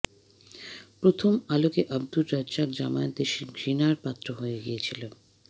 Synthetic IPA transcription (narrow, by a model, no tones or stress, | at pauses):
pɾot̪ʰomalokeʔab̚d̪uɾːad͡ʑd͡ʑakd͡ʑamant̪eʃiɡɾinaɾpat̪ːɾoɦoeɡijet͡ɕʰilo